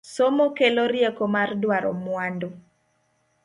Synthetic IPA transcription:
somokeloɾjekomardwaɾɔmwando

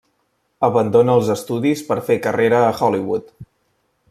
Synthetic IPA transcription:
əβənd̪onəːlˠzəst̪uðispəɾfekəreɾəːxɔliβut̪

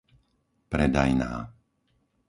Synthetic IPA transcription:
pɾɛd̪a̰jna̰ː

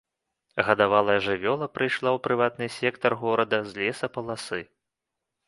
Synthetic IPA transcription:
ɣɐd̪avalˠɐjɐʐɨvʲɔlˠɐpɾɨjʂlˠawpɾɨvat̪nɨsʲɛkt̪ɐrɣɔɾɐd̪ɐzʲlʲɛsɐpɐlˠasɨ

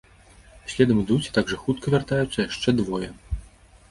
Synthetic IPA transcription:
sʲlʲɛd̪ɐmɨd̪ut͡sʲi̥t̪aɡʐɐxut̪kʰɐvʲart̪ajut̪sːɐjaʂt͡ʂɛd̪vɔjɛ

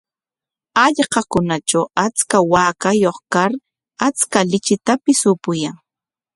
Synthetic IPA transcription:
ɑʎqɑkʊnat͡ʃawat͡skawaːkajoχkaɾ | at͡skalɪt͡ʃɪt̪apɪsʊpʊjaŋ

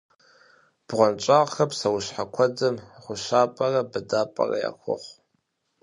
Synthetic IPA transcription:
b̥ʁʷant͡ʃʷʼaʁxɐpʰʼsawʊʃħakʷʰad͡zɨmχʷʊʃapʼarabɨdapʼa̰ra̰ja̰kʷʰʊ̰χʷ

